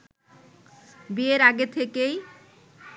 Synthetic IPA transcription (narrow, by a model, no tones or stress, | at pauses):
bieɾaɡet̪ʰekej